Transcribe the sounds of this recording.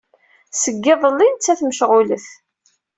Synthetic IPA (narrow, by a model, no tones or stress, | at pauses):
səɡːɪðˤəlːint͡sːæθməʃʁʊləθ